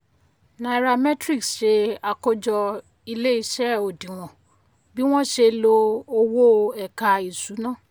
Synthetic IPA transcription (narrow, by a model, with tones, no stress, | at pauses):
na˨ɾa˧mɛ˦tɾi˦˨ksʃe˧a˧ko˦d͡ʒɔ˧ | i˧le˦i˧˦ʃɛ˦˨o˨dĩ˨w̃ɔ̃˨ | bi˦w̃ɔ̃˦ʃe˧lo˧o˧wo˦˧ɛ˨ka˨˧i˨su˨˦nãː˦˨